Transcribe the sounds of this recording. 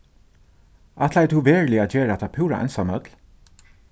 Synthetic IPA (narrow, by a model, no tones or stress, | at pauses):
at̪lajt̪ʰuʋeːɹlɪat̪jeːɾaɛt̪ʰapʰʉːɹa̰ʔɛ̰nsamœt̪l